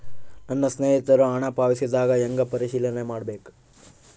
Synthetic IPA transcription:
nɐnːɐsneːɦit̪ɐɾuaːɳaːpaːʋisid̪aːɡɐeŋɡɐpɐɾiʃiːlɐnemaːɽbeːku

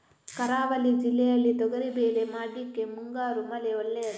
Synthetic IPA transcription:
kɐɾaːʋɐlid͡ʒilːɛjɐlːit̪ɔɡɐɾibeːlemaːɽikːemuŋɡaːɾumɐleoɭːejɐ

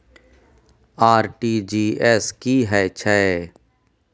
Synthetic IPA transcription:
aːɾʈiːd͡ʒiːɛːskiɦɛt͡ʃʰɛ

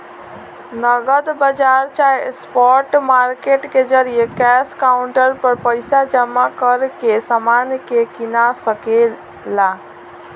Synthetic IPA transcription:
nəɡəd̪bəd͡ʒaɾt͡ʃaespɔɾʈmaɾkeʈked͡ʒəɾijekɛskaʊɳʈəɾpəɾpəɪsad͡ʒəmakəɾkesamankekɪnasəke | la

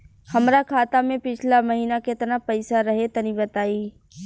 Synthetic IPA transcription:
hɐmɾakʰaːt̪amẽpɪt͡ʃʰlamɐɦiːnaket̪napɐɪsaɾɐɦet̪ɐnibɐt̪aːiː

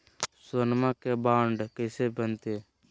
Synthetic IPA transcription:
sənmãːkebaːɳɖkəsebənt̪eː

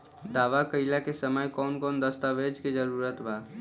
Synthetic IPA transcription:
d̪aːʋakəɪlakesəməjkɔːnkɔːnd̪əst̪aːʋed͡ʒkid͡ʒəɾuːɾət̪bʱaː

